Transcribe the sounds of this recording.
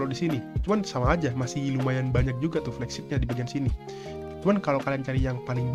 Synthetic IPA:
lodisinit͡ʃumansamaːd͡ʒamasɪhilumajanbaɲak̚d͡ʒuɡat̪ʊhflɛksɪt̪̚ɲadibaɡiansini | t͡ʃumankalokaliaŋt͡ʃaɾijaŋpalɪŋb

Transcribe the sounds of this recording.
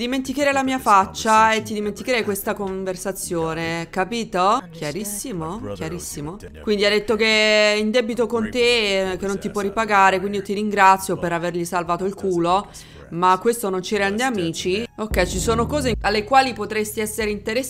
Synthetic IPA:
d̪iment̪ikeɾɛjlamiːafat͡ʃːaet̪ːid̪iment̪ikeɾɛjkwest̪akoɱversat̪sːjoːnekapiːt̪okʰjaɾisːimokjaɾisːimo | kwind̪iad̪et̪ːokeind̪ɛbit̪okont̪ekenːont̪ipwɔrːipaɡaːɾekwind̪ijot̪iɾiŋɡɾat̪sːjopeɾaverʎisalvaːt̪oilkuːlo | makːwest̪onont͡ʃiɾɛnd̪eamiːt͡ʃiokːɛjt͡ʃisoːnokɔːzealːekwaːlipot̪ɾest̪iɛsːeɾeint̪eɾe

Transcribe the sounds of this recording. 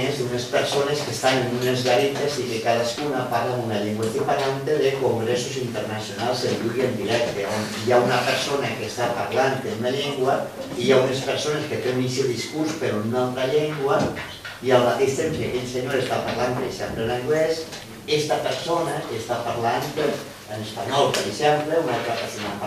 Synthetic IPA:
ezd̪unespeɾsoneskest̪anenunezɣaɾet̪ezikekaðaskunapaɾlanunaʎeŋɡwest̪ipaɾlant̪eðekoŋɡɾesuzint̪ernasjonalˠzeʎuɣiend̪iɾɛk̚t̪eon | jaunapəɾsonakest̪apaɾlant̪ennaʎeŋɡwa | ijaunespəɾsonesket̪eunisoðiskuɾspeɾunːat̪ɾaʎeŋɡwə | iəlˠmat̪eʃt̪emsiakeʎseɲoɾest̪apaɾlanpeɾeʃɛmplenaŋɡles | ɛst̪apəɾsonaʔest̪apaɾlant̪ | ənespaɲɔlˠpəɾeʃɛmpleunalˠt̪ɾapəɾsona

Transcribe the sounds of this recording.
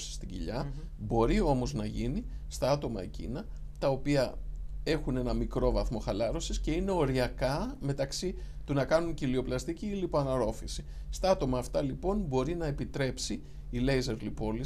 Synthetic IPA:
si̥st̪iɟḭʎɐ | bo̞ɾio̞mo̞znɐʝini | st̪ɐɐt̪o̞mɐ̰ḛcḭnɐ | t̪ɐo̞piɐe̞xune̞nɐmikɾo̞vɐθmo̞xɐlɐɾo̞sisce̞ine̞o̞ɾiɐkɐme̞t̪ɐksit̪unɐkɐnuɲcilio̞plɐst̪iciːlipoɐnɐɾo̞fisist̪ɐɐt̪o̞mɐːft̪ɐlipo̞nbo̞ɾinɐepit̪ɾe̞psiː | le̞jze̞ɾlipo̞li

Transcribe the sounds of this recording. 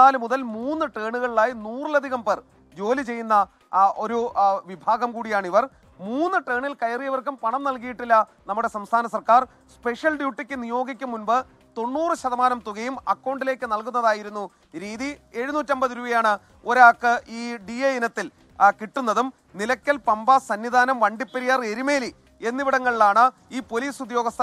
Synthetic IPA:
aːlɨmuðɐlmuːnːɨʈeːɳuɣɐɭilaːjinuːrilɐd̪ʱiɣɐmper | d͡ʑo̞ːlit͡ɕe̞jːunːɐ | ʔo̞ɾuʋibʱaːɡɐmkuːɽijaːɳiʋɐr | muːnːɨʈe̞ːɳilkɐjrijɐʋɐrkumpɐɳɐmnɐlk̬ijiʈːilːɐnɐmːuɽe̞sɐmst̪ʰaːnɐsɐrkaːr | spe̞ʂjɐlɖjuːʈːikʲːɨnijo̞ːɡik̬ʲːumːunbɨ | t̪o̞ɳːuːrɨɕɐðɐmaːnɐmt̪uɣɐjumɐkːɐwɳɖile̞ːkːɨnɐlkunːɐðaːjiɾunːu | ɾiːðie̞ɻunuːtːɐmbɐðiɾuːʋɐjaːɳɨ | o̞ɾaːkːɨiːɖiejinɐt̪ːil | kiʈːunːɐðum | nilɐkʲːɐlpɐmbasɐnːid̪ʱaːnɐmʋɐɳɖipːɐɾijɐre̞ɾimeːli | e̞nːiʋiɽɐŋːɐɭiɭaːɳɨ | iːpo̞liːsud̪jo̞ːɡɐst̪ɐ

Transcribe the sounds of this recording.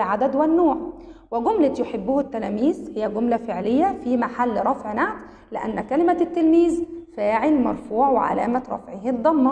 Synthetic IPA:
lʕad̪æd̪wænːoːʕwɪɡomlɪjoħebːʊhʊt̪ːælæːmiːzhɪjːæɡomlæfeʕlejːæfimaħalːɾˤɑfʕnaʕt̪ | lɪʔænːækælɪmæt̪ːelmiːzfæːʕelmɑ̰ɾˤfuːʕwḛʕa̰læ̰ːmæɾˤɑ̰fʕehid̪ˤɑmːɑ

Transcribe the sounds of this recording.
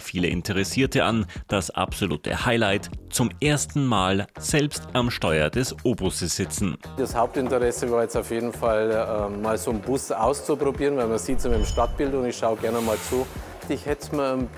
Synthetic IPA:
fiːləʔɪ̰ntʰəʁɛsiːɐtʰəa̰nd̥asʔa̰pz̥olṵːtʰə̰haɪlaɪtt͡sʊmʔeːɐstn̩maːlz̥ɛlpstʔamʃtɔʏɐdɛsʔoːbʊsəsz̥ɪt͡sn̩ | d̥ashaʊp̚tɪntəʁɛsəvaːɐjɛt͡staʊfjeːdn̩falɛmaːlzoːnbʊsaʊst͡supʁ̥obiːʁənvaɪmaz̥iːtsmanmʃtat̚b̥ɪltʊntɪçʃaʊɡɛɐnəmaːlt͡suː | d̥ɪçhɛtmaɐn

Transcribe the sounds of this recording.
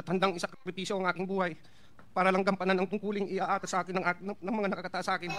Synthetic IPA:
ɐt̪hɐnd̪aŋʔɪsakkɾɪpiːsjoɐŋʔaːkɪŋbuːhɐj | paːɾɐlɐŋɡɐmpananɐŋt̪ʊŋkuːlɪŋʔɪʔaʔaːt̪ɐsʔaːkɪnːɐŋʔannɐŋmɐŋanɐkakɐt̪ɐʔasɐʔaːkɪn

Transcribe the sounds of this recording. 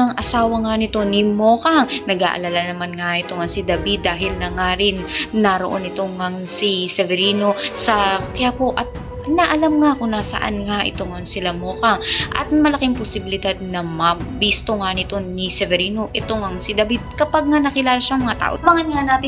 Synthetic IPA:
ɐŋʔɐsaːwɐŋanɪt̪o̞nɪmoːkɐŋnɐɡa̰ːʔɐ̰lalanɐmanŋaʔɪt̪oŋɐŋsid̪ɐbid̪ːaːɦɪlnɐŋaɾɪnːɐɾoʔo̰nɪt̪o̞ŋɐŋsisɛvɛɾiːno̞sɐkɐjaːpo̞ʔɐt̪̚ | nɐʔɐlamŋakʊŋnasɐ̰ʔa̰nŋaʔɪ̰t̪oŋɐŋsɪlamoːkɐŋʔɐ̰t̪̚mɐlɐkɪŋposɪbɪlɪd̪ad̪̚nɐmɐbiːst̪oŋanɪt̪o̞nisɛvɛɾiːno̞ʔɛt̪oŋɐŋsɪd̪ɐbid̪̚kɐpaɡ̚ŋanɐkɪlaːlaʃaʔɐŋmɐŋat̪a̰ːʔomɐŋɐnŋanaːt̪ɪ

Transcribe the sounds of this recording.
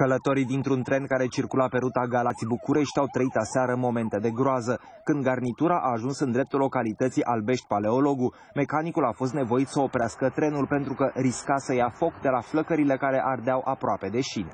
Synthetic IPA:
kələt̪o̞ɾid̪int̪ɾunt̪ɾe̞nkaɾe̞t͡ʃirkulape̞ɾut̪aɡalat̪sʲbukuɾe̞ʃt̪ʲawt̪ɾəit̪aseaɾəmo̞me̞nt̪e̞d̪e̞ɡɾoazə | kɨnd̪̚ɡarnit̪uɾaʔaːʒunsɨnd̪ɾe̞p̚t̪ulo̞kalit̪ət̪siʔalbe̞ʃt̪ʲpale̞o̞lo̞ɡu | me̞kanikulafo̞s̬t̪ne̞vo̞it̪səo̞pɾeaskət̪ɾe̞nulpe̞nt̪ɾukəɾiskasəjafo̞kd̪e̞lafləkəɾile̞kaɾe̞ʔard̪eawʔapɾoape̞d̪e̞ʃin

